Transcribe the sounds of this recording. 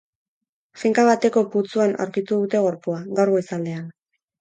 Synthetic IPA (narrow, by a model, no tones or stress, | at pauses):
fiŋkaβat̪e̞ko̞put͡suana̰wɾkit̪uðut̪e̞ɣ̞o̞ɾpuaɡawɾɣo̞isald̪e̞an